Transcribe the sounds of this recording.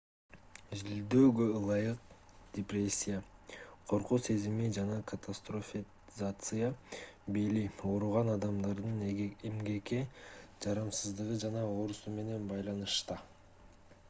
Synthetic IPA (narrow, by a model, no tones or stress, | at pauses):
ʒild̪øːɡølˠɑjɯq̚ | d̪ʲeprʲe̞sʲːijaqʰo̞ɾquse̞zimid͡ʒɑnɑkʰat̪ʰast̪rofʲi | zat̪sɨjabelio̞ɾuʁɑnɑd̪ɑmd̪ɑɾd̪ɯnemɡe̞ked͡ʒɑɾɑmsɯzd̪ɯʁɯd͡ʒɑnɑo̞ɾusume̞ne̞nbɑjlˠɑnɯʃt̪ɑ